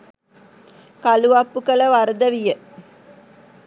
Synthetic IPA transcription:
kaluʋapːukələʋaɾəd̪əʋijə

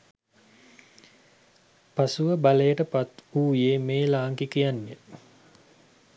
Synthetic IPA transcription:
pasuʋəbalejəʈəpat̪uːjeːmeːlaːŋkikijanːe

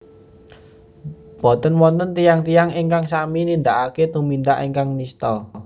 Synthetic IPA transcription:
b̥ɔ̤t̪ənwɔnt̪ənt̪ijaŋt̪ijaŋiŋkaŋsaminind̪aʔaket̪umind̪aʔiŋkaŋnist̪ɔ

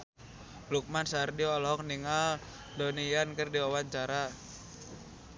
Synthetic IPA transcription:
luk̚mansardiɔalɔɦɔk̚niŋal | donijankərdiwawaɲt͡ʃaɾa

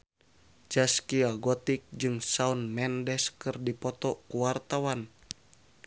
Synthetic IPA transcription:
d͡ʒaskiaɡɔt̪ik̚d͡ʒɨŋsaunmɛndɛskɨrdipɔt̪ɔkuwart̪awan

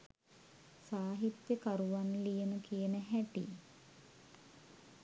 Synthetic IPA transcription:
saːɦit̪jəkaɾuʋanlijenukijənəɦæʈḭ

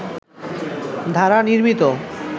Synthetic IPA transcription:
d̪ʱaɾaniɾmit̪o

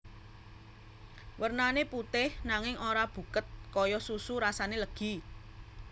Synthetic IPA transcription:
wərnaneput̪ɪhnaŋɪŋʔoɾab̥ṳkət̪̚kɔjɔsusuɾasaneləɡ̥i̤

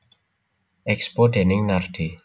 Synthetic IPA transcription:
ɛkspoɖe̤nɪŋnarɖ̥i

